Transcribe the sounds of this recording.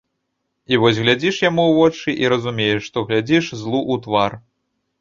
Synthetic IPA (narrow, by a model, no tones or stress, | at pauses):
ivɔzʲɣlʲad͡zʲiʂjamuwvɔt͡ʂɨʔiɾɐzumʲejɛʂːt̪ɔɣlʲad͡zʲiʂzlˠuʔut̪var